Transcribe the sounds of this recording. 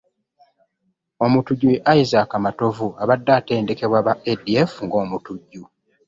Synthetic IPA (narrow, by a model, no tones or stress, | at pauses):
o̞mutuɟːuʔajizakamato̞vuaβadːaːte̞ːnde̞ke̞βwaβaediefuŋɡo̞ːmutuɟːu